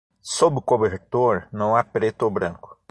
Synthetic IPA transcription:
sobɪʊkobeɾt̪oɾnɐ̃w̃apɾet̪ʊobɾɐ̃ŋkʊ̥

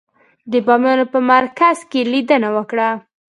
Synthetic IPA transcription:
d̪əbɑmjɑnopəmaɾkazkelid̪ənawəkɽa

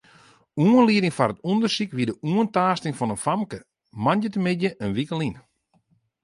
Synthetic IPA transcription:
uənliədɪŋfarətundərsikʋidəʔuəntaːstɪŋfɔnənfamkə | manjətəmɪdjəʔənʋikəlin

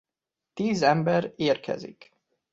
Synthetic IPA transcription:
t̪iːzɛmbɛɾeːrkʰɛ̰zḭk

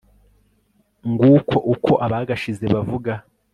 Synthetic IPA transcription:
ŋɡuːkʰo̞ʔukʰo̞ʔaβaɡaʃize̞βavuɡa

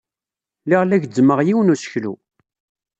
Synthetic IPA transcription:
liʁlæʝd͡zːməʁjiwənusə̥çlṵ

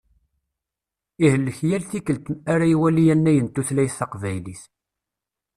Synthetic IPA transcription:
ihəlːəçjælθikəlt̪aɾæjwælijænːæjənt̪ːuθlæjsɑqvæjliθ

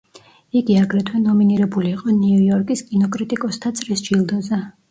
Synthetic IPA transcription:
iɡiaɡɾɛt̪ʰwɛnɔminiɾɛbuliːqʼɔniujɔɾkʼiskʼinɔkʼɾit̪ʼikʼɔst̪ʰat̪sʼɾisd͡ʒilˠd̪ɔza

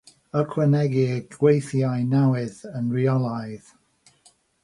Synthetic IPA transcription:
əkʰwənɛɡɪɡwejθjajnawɪðənɹiɔlˠajð̥

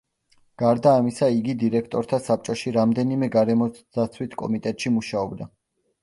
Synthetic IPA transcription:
ɡ̥aɾd̪aːmisaiɡid̪iɾɛkʰt̪ʼɔɾt̪ʰasap̚t͡ʃʼɔʃiɾamd̪ɛnimɛɡaɾɛmɔ̥at̪sʰwit̪ʰkʼɔ̰mit̪ʼɛt̪ʼʃimuʃaɔbd̪a

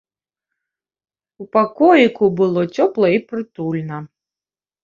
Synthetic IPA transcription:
upakɔjikubɨlˠɔt͡sʲɔplˠɐipɾɨt̪ulʲnɐ

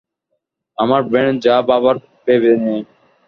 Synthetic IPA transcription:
amaɾbẽɳd͡ʒaːbaːbaɾ | peːbeːnẽː

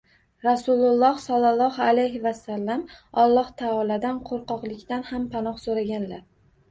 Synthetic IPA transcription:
ɾasʊlˠʊlˠːɒhsɒlˠːɑlˠːɒhalajɦɪvasːalːamɒlˠːɒht̪ʰaɒlad̪anqʰoɾqɒqlˠɪkʲt̪anhampʰanɒχsoɾaɡʲanlaɾ

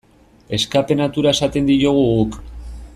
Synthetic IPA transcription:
e̞skape̞nat̪uɾae̞sat̪e̞nd̪iɾoɣ̞uɣuk

